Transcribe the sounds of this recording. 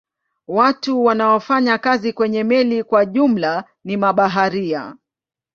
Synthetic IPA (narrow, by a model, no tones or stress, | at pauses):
watuwanaɔfaɲakazikwɛɲɛmɛlikwaʄum̩la | nimaɓaɦaɾia̰